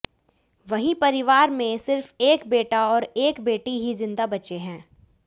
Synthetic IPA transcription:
ʋɐɦĩpɐɾɪʋaːɾmẽsɪɾfeːkbeːʈaɔːɾeːkbeːʈiɦid͡ʒɪ̃nd̪abɐt͡ʃeɦɛ̃ː

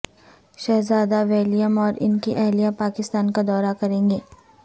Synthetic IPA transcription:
ʃɛɦzaːd̪aʋeːlijəmɔːɾɪ̰nkiʔɛɦlijapaːkɪst̪aːnkad̪ɔːɾakɐɾẽːŋɡeː

